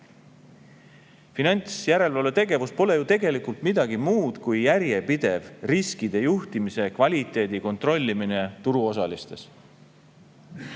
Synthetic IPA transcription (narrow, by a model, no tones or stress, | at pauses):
finɑnʲt̪sjæɾe̞lvɑlet̪e̞ɡe̞vuspo̞le̞jut̪e̞ɡe̞likult̪mid̪̥ɑɡ̥imuːd̪̥kujjæɾje̞pid̪̥e̞vriskid̪̥e̞juht̪imise̞kvɑlʲit̪ːˑe̞ːd̪̥iko̞nt̪ro̞lʲːimine̞t̪uɾuo̞s̬ɑlist̪e̞s